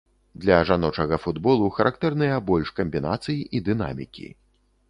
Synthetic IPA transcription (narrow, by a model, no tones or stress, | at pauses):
d̪lʲɐʐanɔt͡ʂɐɣɐfud̪bɔlˠuxɐɾʔak̚t̪ɛrnɨjɐbɔlʲʂkɐmʲbʲina̰t̪sɨjiʔid̪ɨna̰mʲḭkʲḭ